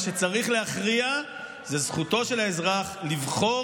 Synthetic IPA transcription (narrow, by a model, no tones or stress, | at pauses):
ʃe̞t͡saʁiχle̞aχʁia | zezχuto̞ʃe̞laezʁaχlivχo̞